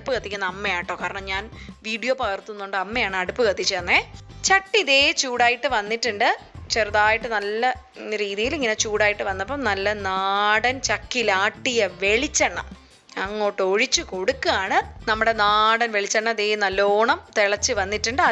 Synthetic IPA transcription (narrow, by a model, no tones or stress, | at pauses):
upːɨkɐt̪ːikʲːunːɐɐmːɐjaːjiʈːo̞ːkaːɾɐɳɐmɲaːnʋiːɽijoːpɐɣɐrt̪ːunːoɳɖɨɐmːejaːɳɨɐɽupːɨkɐt̪ːit͡ɕːuɐnːet͡ɕɐʈːiðeːt͡ɕuːɽaːjiʈːɨʋɐnːiʈːɨɳɖɨt͡ɕɐɾuðaːjiʈːɨnɐlːɐ | ɾiːðijiliŋːɐne̞t͡ɕuːɽaːjiʈːɨʋɐnːɐpːɐmnɐlːɐnaːɽɐnt͡ɕɐkːilaːʈːijɐʋe̞ɭit͡ɕːɐɳːɐm | ɐŋːo̞ːʈːɨoɻit͡ɕːɨko̞ɽukːɨaːɳɨnɐmːuɽe̞naːɽɐnʋe̞ɭit͡ɕːɐɳːɐmɐðeːjnɐloːɳɐmt̪eɭɐt͡ɕːɨʋɐnːiʈːɨɳɖɨɐ